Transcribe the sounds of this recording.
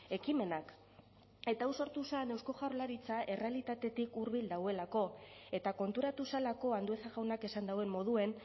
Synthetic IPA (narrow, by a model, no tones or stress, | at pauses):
e̞kime̞nak | e̞t̪awso̞ɾt̪usane̞wsko̞ʝarlaɾit͡saʔe̞re̞alit̪at̪e̞t̪ikuɾβild̪awe̞lako̞e̞t̪ako̞nt̪uɾat̪usalako̞and̪ue̞θaɣawnake̞sand̪awe̞mːo̞ð̞ue̞n